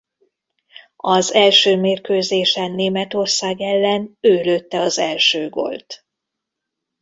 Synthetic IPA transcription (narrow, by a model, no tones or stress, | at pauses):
ɒzɛlʃøːmeːrkøːzeːʃɛnːeːmɛt̪o̞rsaːɡɛlːɛnøːløt̪ːɛɒzɛlʃøːɡo̞̰lt̪